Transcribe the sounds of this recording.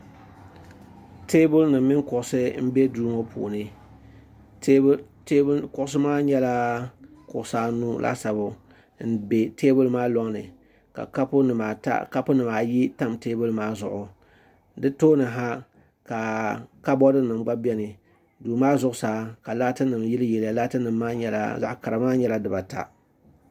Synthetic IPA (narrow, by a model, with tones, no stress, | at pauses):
te˦bʊ˦lnɨ˨mː˦ɪ˦ŋkʊ˨ʔʊ˨sɨ˦m̩˦be˦duː˦mo˦pʰṵː˨nɨ˦ | tːkʊ˨ʔʊ˦sɨ˦maː˦ɲɛ˦la˦kʊ˨ʔʊ˨saː˦nu˦lʔa̰˦sa˨bʊ˨ | n̩˦be˨teː˦bʊ˦lmaː˦lɔ˦ŋnɨ˨ | ka̰˨ka˦pʊ˦nɨ˨ma˨ta̰˦ka˦pʊ˦nɨ˨maː˨ji˦ta˦mteː˦bʊ˦lɨ˦maː˦zʊ˨ʔʊ˨ | dɨ˦toː˦nɨ˨ɦa˦ | ka˨ka˦bɔ˦dɨ˦nɨ˨mɡ͡ba˦bɛ˦nɨ˨ | duː˨maː˦zʊ˦ʔʊ˦saː˨˦ka˨la˦tɨ˦nɨ˨mji˦lɨ˦jɛ˨lja˨la˦tɨ˦nɨ˨mːaː˦ɲɛ˦la̰˦za̰˨ʔka˨ɾa˨maː˦ɲɛ˦la˦dɨ˨ba˨ta̰˨